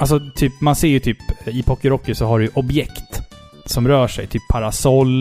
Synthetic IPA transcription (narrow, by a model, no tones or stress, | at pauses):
alsɔt̪ʰyːpmanseːɾjɵt̪ʰyːpɪpʰɔkəɾɔkːɪsɔɦaɖɛjɵʔɔbjɛkt̪ | sɔmɾœːʂɛ̰jt̪ʰyːpʰːaɾasɔlː